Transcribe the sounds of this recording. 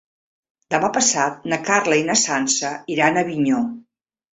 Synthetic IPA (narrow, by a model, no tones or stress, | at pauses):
d̪əmapəsat̪̚nəkarləinəsansəiɾanəβiɲo